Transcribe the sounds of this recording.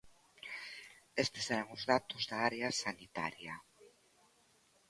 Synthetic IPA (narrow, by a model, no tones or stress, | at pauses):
est̪eseɾaŋuzðat̪uzðaaɾeasanit̪a̰ɾja